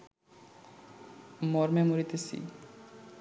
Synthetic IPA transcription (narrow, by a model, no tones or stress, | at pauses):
mɔɾmemuɾit̪esḭ